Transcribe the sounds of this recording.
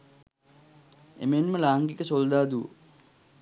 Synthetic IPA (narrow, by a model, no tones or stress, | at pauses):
ḛmenməlaːŋɡikəsold̪aːd̪uə̰